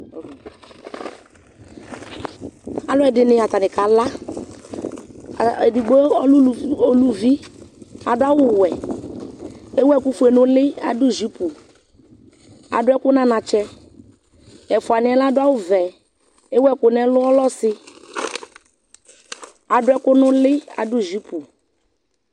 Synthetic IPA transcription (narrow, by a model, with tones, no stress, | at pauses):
a˨lʊ˦ɛ˨dɪ˨nɪ˨a˨t̪a˨nɪ˨ka˨la˦˨ | e˨di˨ɡ͡bo˦˨o˦lu˨vi˦a˨dʊ˦a˦wʊ˦wɛ˨ | e˦wɛ˦kʊ˦fu˨˦e˨nʊ̃˦lɪ˦a̰˨dʊ˦˨zi˨˦pu˨ | a̰˨dʊ˦ɛ˦kʊ˦nã˦nã˨t͡ʃɛ˦ | ɛ˨fʊ˨a˨nɪ̃˨˦ɛ˦la˦dʊ˦a˦wʊ˦vɛ˨ | e˦wɛ˦kʊ˨nɛ˦lʊ˦ɔ˦lɔ˦sɪ˨ | a˨dʊ˦ɛ˦kʊ˦nʊ̃˦lɪ˦a̰˨dʊ˦˨zi˨˦pu˨